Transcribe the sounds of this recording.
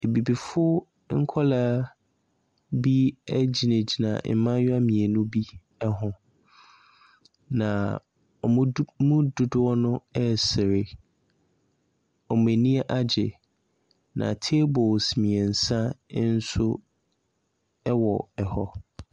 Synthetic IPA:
e˨bi˨bi˨fʊ˦ | ŋ̩˦kʰɔ˦la˦ | bi˦æ˦d͡ʑi˨ne˨d͡ʑi˨nã̰˨m̩˦mã˦ɲʊ˦a˦mĩ˨ɛ˨nʊ̃˦bi˦ | ɛ˦ɦʊ̃˨ | nã˨ | ɔ˨m˦mʊ̃˦dʊ˨dʊ˦ɔ˦nʊ̃˦ɛ˦sɪ˨ɾɪ˨ | ɔ˨m˨æ˨nĩ˦ɛ˦ʔa˦d͡ʑɪ˨ | nã̰˨tʰe˦bɔ˨lsmĩ˨ɛ˨n̩˨sã˦n̩˦sʊ˦ | ɛ˦wɔ˨ɛ˨hɔ˦

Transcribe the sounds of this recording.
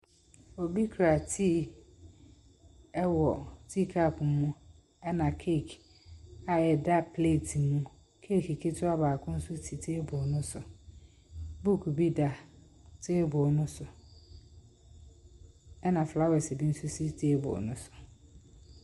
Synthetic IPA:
o˨bi˦kʰɾa˨tʰi˦˨ | ɛ˦wɔ˨tʰi˦kʰa˦˨pmʊ̃˦ | ɛ˦nã˨kʰe˦˨kʰ | a˦jɛ˨da˦pʰle˦˨tʰi˨mũ˦ | kʰe˦˨ki˨kʰe˦tʰʊ˦a˦baː˨kʰʊ̃˦n̩˦sʊ˦tʰi˨tʰeː˦bʊ˨nʊ̃˦sʊ˨ | bu˦˨kʰu˨bi˦da˦ | tʰeː˦bʊ˨nʊ̃˦sʊ˨ | ɛ˦nã˨fla˦wɛ˨se˨bi˦n̩˦sʊ˦si˦tʰe˦bʊ̰˨nʊ̃˦sʊ̥˨

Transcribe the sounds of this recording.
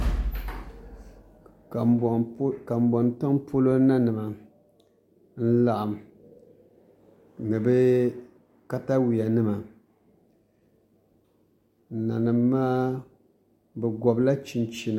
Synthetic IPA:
ka˨m̩˨bɔ˨ntɨ˦ŋpʰo˦lo˦na˦nɨ˨ma˨ | n̩˦la˨ʔa˨m˨ | nɨ˨bɨ˦ | ka˦ta˦wi˨a˨nɨ˦ma˨ | na˨nɨ˨mːaː˦ | bɛ˨ɡɔ˨bla˦t͡ʃi˨n˦t͡ʃi˨na˨

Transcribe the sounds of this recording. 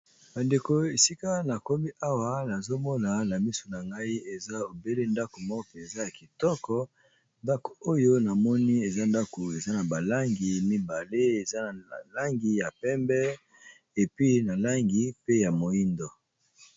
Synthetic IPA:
ba˨nde˨ko˨e˨si˦ka˦na˨ko˦mi˦ʔa˦wa˦na˨zo˦mɔ˦na˨na˨mi˦so˨na˨ŋɡa˦i˦e˨za˦o˨be˦le˦nda˦ko˨mɔ˦ɔ˦pe˨za˦ja˨ki˨tɔ˦kɔ˦ | nda˦ko̥˨o˦jo˦na˨mɔ˦ni˦e˨za˦nda˦ko˨e˨za˦na˨ba˨la˦ŋɡi˨mi˦ba˨le˦e˨za˦na˨la˦ŋɡi˨ja˨pɛ˦mbɛ˦ | e˨pɥi˦na˨la˦ŋɡi˨pe˦ja˨mo˨i˦ndɔ˨

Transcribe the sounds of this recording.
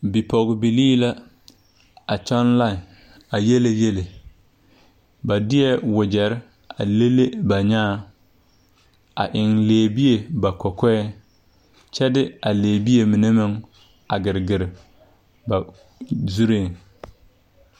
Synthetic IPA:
bi˨pɔ˨ɡɪ˨bi˨liː˦la˦ | a˨t͡ʃɔ˦nla˦˨ | a˨je˦le˦je˦le˨ | ba˨dɪ˦ɛ˦wʊ˨d͡ʒɛ˨ɾɪ˦ | a̰˨le˦le˦ba˨ɲaː˦ | a̰˨ʔɪ˨ŋleː˨bi˦e˨ba˨kɔ˨kɛ˦ɛ˦ | t͡ʃɛ˦dɪ˦a˨leː˨bi˦e˨mɪ˨ne˦mɪ˦ŋ | a˨ɡɪ˨ɾɡɪ˨ɾɪ˨ | ba˨ | zu˦ɾeː˦˨

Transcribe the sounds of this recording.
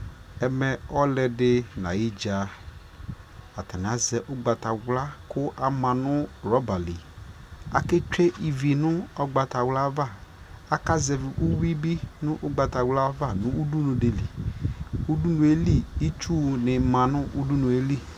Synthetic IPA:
ɛ˨mɛ˦ɔ˦lɛ˨dɪ˦na̰˨i˦d͡ʒa˨ | a˨ta˨n˨a˨zɛ˨ʔʊ˦ɡ͡ba˨ta˨wla˦kʰʊ˦ʔa˨mã˨nʊ˦ɾɔ˦ba˨li˨ | a˨ke˦t͡ʃe˦ʔi˨vi˨nʊ˦ɔ˦ɡ͡ba˨ta˨wla˦va˦˨ | a˦ka˦zɛ˨vɪ˨ʔu˦wi˦bi˦nʊ̃˦ʔʊ˦ɡ͡ba˨ta˨wla˦va˦˨nʊ̃˦u˦du˦nũ˨de˨li˨ | u˦du˦nũ˨e˦li˦i˦t͡ʃu˦nɪ˨mã˨nʊ˦ʔu˦du˦nu˨e˦li˦

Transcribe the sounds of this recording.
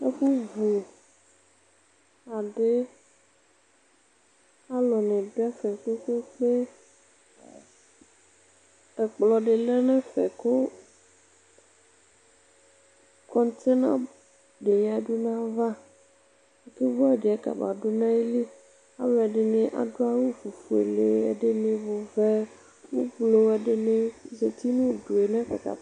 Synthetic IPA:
a˦ɸu˦vu˨ | a˨ɖe˦ | a˦lɔ˨nɛ̃˨ɖo˦a˦fɛ˨ko˦ko˦k͡pe˦ | ɛ˨k͡plɔ˨ɖe˨lɛ˦nɛ̃˦fɛ̰˨ko˦ | kɔ˦n˦t̪e˦nã̰˦ | ɖe˨ja˨˦ɖu˦nã˦va˦ | a˨ke˦vo˦a˨ɖe˨ɛ˦ka̰˨ba̰˨ɖo˦nã˦e˦li˦ | a̰˨we˨a˨ɖe˨nẽ˦ʔa̰˨ɖo˦a˦wu˦fu˨fu˨ḛ˨le˨˦ɛ̰˨ɖe˦nẽ˦vo˨vɛ˦ | wu˦ɡ͡blo˦ɛ˨ɖe˨nẽ˦ze˨t̪i˦nũ˦ɖu˨e˨nɛ̃˦ɸa̰˨t̪a̰˨

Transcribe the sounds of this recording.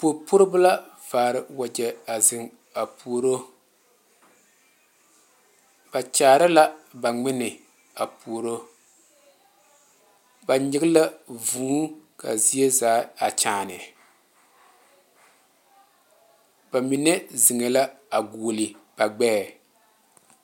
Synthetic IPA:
po˨pʊ˦ɾɪ˦ba˦la˦vaː˨ɾɪ˨wa˨d͡ʒɛ˨a˨zɪ˨ŋ | a˨pu˨o˨ɾo˦ | b̥a˨t͡ʃaː˨ɾa˦la˦ba˨ŋ͡mɪ˦nɪ˨ | a˨pu˨o˨ɾo˦ | ba˨ɲɪ˨ɣɪ˦la˦vuː˨˦ka̰˨zi˦e˦zaː˦a˨t͡ʃaː˨nɪ˨ | ba˨mi˨nɛ˦zɪ˨ŋe˨la˦a˨ɡuː˨lɪ˨b̥a˨ɡ͡bɛː˦˨

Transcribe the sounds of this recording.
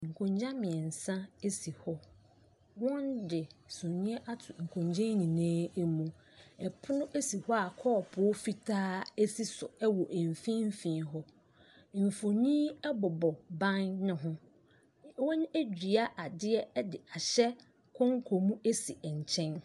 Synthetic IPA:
ŋ̩˨kʰõ˨ɲd͡ʑã˦mɪ̃˨ɛ˨n̩˨sã˦e˦si˨hɔ˦ | wɔ̃˦ndɪ˨sõ˨nĩ˦ɛ˦ʔa˦tʰʊ˨ŋ̩˨kʰõ˨ɲd͡ʑã˦nĩ˨nãː˦e˦mũ˨ | ɛ˨pʰʊ˦nʊ̃˦ʔe˦si˨hɔ˦a˨kʰɔː˦˨pʰʊ˨˦fi˦tʰaː˦ɛ˦si˦sʊ˨ɛ˦wɔ˨ʔe˨m˨fĩ˦m̩˦fĩː˨nɦɔ˦ | m̩˨fo˨nĩ˦ɛ˦bɔ˨bɔ˨bã˦nːʊ̃˨ɦʊ̃˦ | wɔ̃˦ñ˦e˦d͡ʑᶣi˨a˦ʔa˨dɪ˦ɛ˦ɛ˦dɪ˨a˨ɕɛ˦ | kʰɔ̃˦ŋ̩˦kʰo˨mũ˦e˦si˨ɛ˨ɲ˨t͡ɕʰɛ̃˦n

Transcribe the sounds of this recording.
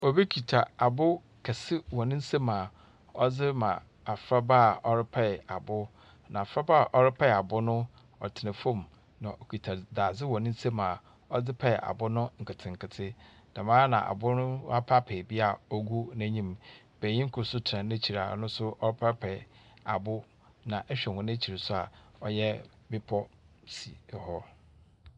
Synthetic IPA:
o˨be˦kʰi˨tʰa˨a˨bʊ˦ | kʰɛ˨sɪ˦wɔ̃˨nɪ̃˦n̩˦se˦mã˨ | ɔ˦d͡zɪ˦mã̰˨ | a˨fɾa˦ba˦˨ɔ˦ɾɪ˦pʰɛ˦˨a˨bʊ˦ | nã̰˨fɾa˦ba˦˨ʔɔ˦ɾɪ˦pʰɛ˦˨a˨bʊ˦nʊ̃˦ | ɔ̰˨tʰɪ˨nɪ̃˨fõ˦˨m | nã˨ʔo˨kʰi˨tʰa˨da˨d͡zɪ˦wɔ˨nɪ̃˦n̩˦se˦mã˨ | ɔ˦d͡zɪ˦pʰɛ˦˨ʔa̰˨bʊ˦nʊ̃˦ŋ̩˨kʰɪ˨tʰɪ̃˨ŋ̩˨kʰɪ˨tʰɪ˦ | d̥a˨mãː˦nã̰˨ʔa̰˨bʊ˦nʊ̃˦a˦pʰa˦pʰɛ˨bi˦a˨ɔ˦ɡu˦næ̃˨ɲĩ˦m | b̥æ˨ɲĩ˦ŋ̩˦kʰʊ˨˦sʊ˦tʰɾã˨nẽ˦t͡ɕʰi˨ɾa̰˨˦nʊ̃˦sʊ˦ʔɔ˦ɾɪ˦pʰa˦pʰɛ˨a̰˨bʊ˦ | nã˨ʔɛ˦ɕᶣɛ˨hʊ̃˨næ̃˦t͡ɕʰi˨ɾɪ˨sʊ˦a̰˨ɔ˦jɛ˦ | bɪ˦pʰɔ˦ | si˨hɔ˦

